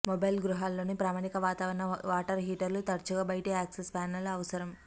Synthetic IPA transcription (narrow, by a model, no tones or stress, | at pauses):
mobɐjlɡɾuɦaːlːoːnipɾaːmaːɳikɐʋaːt̪aːʋɐɾɐnɐʋaːʈɐɾɦiːʈɐɾlut̪ɐɾt͡ʃuɡaːbɐjʈeːaːksespaːnɐlɐɐʋɐsɐɾɐm